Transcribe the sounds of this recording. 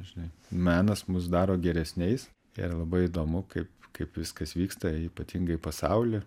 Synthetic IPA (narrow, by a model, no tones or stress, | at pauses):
ʒʲɪnɐɪmæːnɐsmʊs̬d̪ɑːɾoːɡʲɛɾʲɛsʲnʲɛɪs | ɪ̰ɾlˠɐbɐɪɪd̪oːmʊkɐɪpkɐɪpʋʲɪskɐsʋʲiːkst̪ɐiːpɐt̪ʲiŋɡɐɪpɐsɐʊlʲɪ